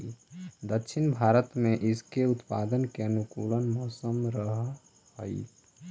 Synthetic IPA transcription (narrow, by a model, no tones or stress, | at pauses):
d̪əkʃʰɪnbʱaːɾət̪mẽʔɪskeʊt̪paːd̪ənkeənukuːlənmɔːsəmɾəɦ | həi